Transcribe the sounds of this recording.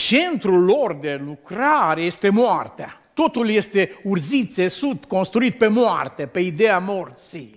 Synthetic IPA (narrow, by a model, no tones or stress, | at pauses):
t͡ʃe̞nt̪ɾulːo̞rd̪e̞lukɾaɾeje̞st̪e̞moart̪ea̰t̪o̞t̪ulje̞st̪e̞urzit̪e̞sud̪t̪ko̞nst̪ɾuit̪̚pe̞moa̰rt̪e̞pe̞id̪e̞amo̞rt̪sij